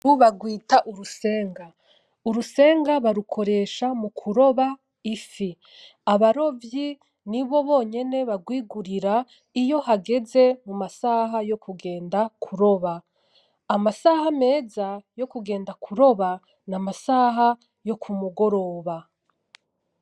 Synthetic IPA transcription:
uβaɡwiːtaʔuɾuse̞ːŋɡa | uɾuse̞ːŋɡaβaɾukʰo̞ɾe̞ːʃamukʰuɾo̞βa | ifi | aβaɾo̞vji | niβo̞βo̞ːɲe̞ne̞βaɡwiːɡuɾiɾa | ijo̞haɡe̞ze̞mumasaɦajo̞kʰuɡe̞ːndakʰuɾo̞βa | amasahame̞ːzajo̞kuɡe̞ːndakʰuɾo̞βa | namasaɦa | jo̞kʰumuɡo̞ɾo̞ːβa

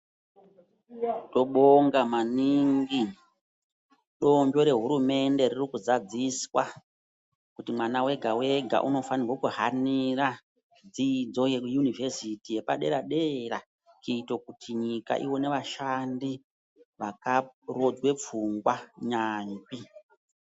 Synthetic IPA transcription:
to̞ɓoŋɡamaniŋɡi | ɗo̞mbo̞ɾe̞ɦuɾume̞nde̞ɾirikuzad͡ziswa | kutimwanawe̞ɡʱawe̞ɡʱa̰ʔuno̞fanirwokuɦaniɾa | d͡zid͡zo̞jekujunive̞sitije̞paɗe̞̰ɾaɗera | t͡ʃiitokutʰiɲika̰ʔiwo̞ne̞ʋaʃandi | ʋakaro̞d͡zwe̞p͡fuŋɡwaɲaːnbi

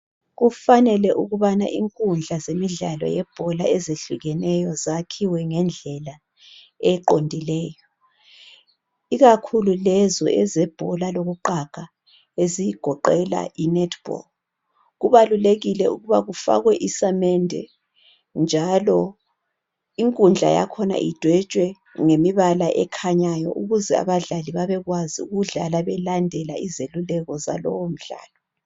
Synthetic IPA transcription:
ɣufanɛlɛʔuɣuβana̰ʔiŋkʼund͡ɮʱazemiɮalɔ̰jɛb̥ʱɔlaɛzeɬuɣɛnɛjɔzakʰiwɛŋɛnd͡ɮʱɛla | ɛǃondʱilɛːjɔ | iɣakʰululɛzɔ̰ʔɛzɛb̥ʱɔlaloɣuǃakʰa | ezijiɡ̥ʱɔǃɛla̰ʔinɛtʰʼb̥ɔ̰l | ɣuβaluleɣilɛuɣuβaɣufa̰ɣwɛʔisamɛndʱɛ̰ | nd͡ʒʱalɔ | iŋkʼund͡ɮʱa̰ja̰kʰɔna̰ʔḭd̥ʱwɛt͡ʃʼwɛ | ŋemiβalaʔɛkʰaɲajɔ̰ʔuɣuzɛa̰βaɮaliβaβɛɣwaziṵɣuɮalaβɛlandʱɛla̰izelulɛɣɔza̰lɔ̰wom̩ɮa̰ːlɔ

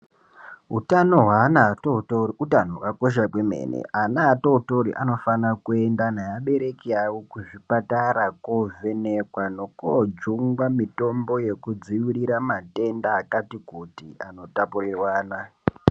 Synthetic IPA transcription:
utanoɦwaːnatotoutanokako̞ʃ̬akwemḛːnḛʔanaːtouto̞ɾḭʔano̞fanakue̞ndanajaɓe̞ɾe̞kiawokuʐipataɾakove̞nekwano̞kod͡ʒuŋɡwamito̞mbo̞je̞kud͡ziwiɾiɾamate̞ndaːkatikutiano̞tapurirwaːna

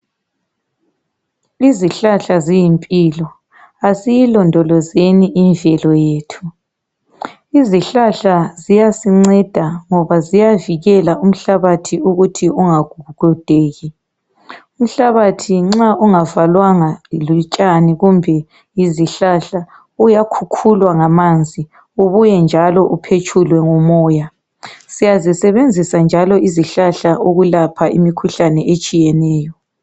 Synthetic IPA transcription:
iziɬaɬazijimpʼiːlɔ | asijilɔndʱɔlɔzeniʔinvʱɛlɔjeːtʰu̥ | iziɬaɬazijasiŋ͡ǀɛd̥ʱaŋɔβazijaviɣɛlaum̩ɬaβatʰiuɣutʰiuŋaɡ̥ʱuɣuɡ̥ʱɔd̥ʱeːɣi | um̩ɬaβatʰiŋ͡ǁaʔuŋavalwaŋalut͡ʃʼaniɣumbʱɛ | iziɬaɬa | ujakʰukʰulwaŋamand͡zʱi | uβujɛnd͡ʒʱalɔʔupʰet͡ʃʰʼulwɛŋɔmɔːja | sijazisɛβend͡zʱisand͡ʒʱalɔiziɬaɬaʔoɣulapʰaʔḭmikʰuɬanɛet͡ʃʼijɛnɛːjɔ

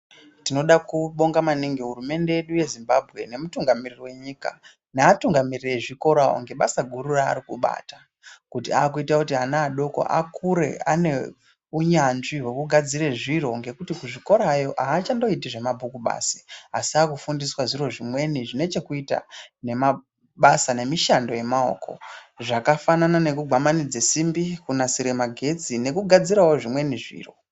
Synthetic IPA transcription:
tino̞ɗakuɓo̞ŋɡamaniŋɡiɦurume̞nde̞eɗuje̞zimbabʱɣe̞ne̞mutuŋɡamiririwe̞ɲika̰ | naːtuŋɡamirireʐiko̞ɾao̰ŋɡe̞ɓasaɡʱuɾura̰ːɾikuɓa̰ːta | kutiaːk̬uitakutiɦanaːɗo̞ko̞̰ʔa̰kʰuɾe̞̰ane̞ | uɲanʐiɦwekuɡʱad͡zire̞ʐiɾo̞ŋɡe̞kutikuʐiko̞ɾajo̞ʔaːt͡ʃando̞itiʐe̞mabʱukuɓa̰ːsi̥a̰siaːkufundiswaʐiro̞ʐimwe̞niʐine̞t͡ʃe̞kuita̰ne̞ma | ɓasane̞miʃando̞je̞mao̰ːkʰo̞̰ʐakafananane̞kuɡʱamanid͡zesimbikunasiɾemaɡʱe̞t͡sine̞kuɡʱad͡ziɾawo̞ʐimwe̞niʐḭːro̞̰

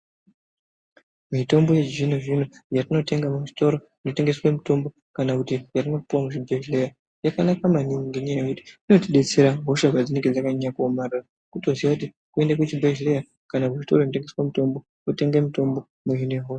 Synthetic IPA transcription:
mito̞mbo̞jed͡ʒinuʐinujatino̞te̞ŋɡamuʐi̥to̞ɾo̞ | ino̞te̞ŋɡe̞swamito̞mbo̞ | kanakutijatino̞puwamut͡ʃibʱeʒleja | jakanakamaniŋiŋɡeɲaajekuti̥ino̞tiɗe̞t͡se̞ɾaɦoʃaʐwad͡zine̞ŋɡe̞d͡zakaɲakuomarara | kuto̞ziwakuti | kue̞ndak̬ut͡ʃibʱeʒleja | kanakuʐito̞ro̞inote̞ŋɡeswamito̞mbo̞ | ote̞ŋɡemito̞mbo̞ | muɦinojeɦo

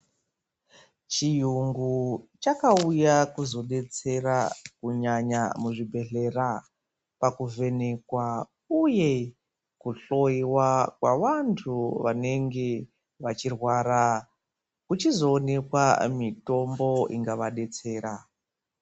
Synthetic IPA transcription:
t͡ʃijuŋɡut͡ʃakaujakuzo̞ɗe̞t͡se̞rakuɲaɲa̰muʐibʱe̞ɬe̞ra | pakuve̞ne̞kwa | uje̞ | kuɬo̞iwakwaʋantʰuʋane̞ŋɡe̞ | ʋat͡ʃirwaːɾa | kut͡ʃizo̞ːne̞kwamito̞mbo̞iŋɡaʋaɗe̞t͡se̞ːɾa

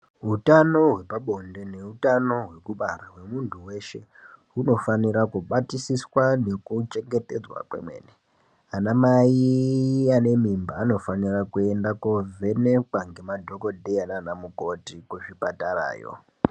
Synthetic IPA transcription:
ɦutano̞ɦwe̞paɓo̞nde̞ne̞ɦutano̞ɦwe̞kuɓarawe̞muntʰuwe̞ʃe̞̰ | uno̞faniɾakuɓatisiswane̞kut͡ʃe̞ŋɡete̞d͡zwa̰kwḛmwḛːne | anamaiane̞mimbaːno̞fanirakue̞ndakovʱe̞nekwaŋɡe̞madʱo̞ko̞dʱeananamuko̞tikwuʂipataɾa̰ːjo̰

